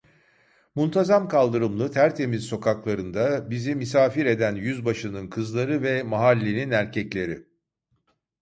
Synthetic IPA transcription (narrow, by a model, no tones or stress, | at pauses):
munt̪ʰazamkalˠd̪ɯɾɯmlˠɯt̪ʰæɾt̪ʰe̞mizso̞kʰaklˠaɾɯnd̪abizimisaːfiɾe̞d̪ænjyzbaʃɯnɯnkʰɯzlˠaɾɯvɛmaɦalʲːeninæɾcʰɛclʲe̞ɾɪ